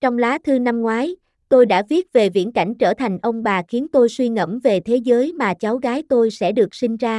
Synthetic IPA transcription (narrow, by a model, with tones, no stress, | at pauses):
t͡ɕɔ˧wŋ͡mlaː˨˦t̪ʰɨ˧na˧mŋwaː˨˦j | t̪o˧jɗa̰ː˧˥vi˦˥ət̚ve˨˩vḭ˧˥ənka̰˧˩jŋ̟t͡ɕəː˧˩t̪ʰa˨˩jŋ̟ʔə˧wŋ͡mɓaː˨˩xi˨˦ənt̪o˧jswi˧ŋə̰˧˩mve˨˩t̪ʰe˨˦zəː˨˦jmaː˨˩t͡ɕa˨˦wɣaː˨˦jt̪o˧jsɛ̰˧˥ɗɨ˨˩ək̚sï˧ŋ̟zaː˧